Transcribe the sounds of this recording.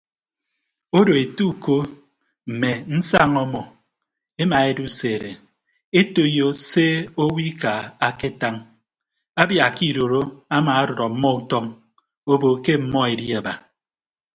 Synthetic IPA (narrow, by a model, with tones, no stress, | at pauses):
o˦do˨e˨tu˦˨ko˦ | m̩˨me˨n̩˦sa˦˨ŋɔ˦mɔ˨ | e˦ma˨e˦du˦seː˨ɾe˨ | e˦to˦jo˦se˦o˦wi˦ka˨a˦ke˦ta˦ŋ | a˦bja˨ki˦˨ɾo˨ɾo˦a˦maː˨a˦ɾɔ˨ɾɔ˨m̩˦mːɔ˦u˦tɔ˦ŋ | o˦bo˨ke˦m̩˦mɔ˦e˨di˦a˨ba˨